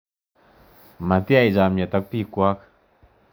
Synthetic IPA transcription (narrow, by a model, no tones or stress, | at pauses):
mant̪iajzamat̪ak̚pikuak